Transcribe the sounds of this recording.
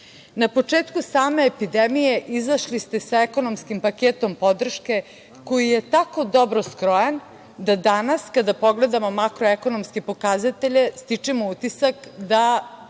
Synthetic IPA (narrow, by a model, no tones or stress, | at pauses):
napo̞t͡ʂeːt̪kusaːme̞ːpid̪emije̞ʔizaʃlist̪e̞saeko̞no̞mskimpakeːt̪o̞mpo̞d̪r̩ʃke̞ | ko̞jijet̪ako̞d̪o̞bɾo̞skɾo̞jan | d̪ad̪anaskad̪apo̞ɡle̞d̪amo̞makɾoeko̞nomske̞po̞kazat̪e̞ʎe̞st̪it͡ʂemout̪isakd̪a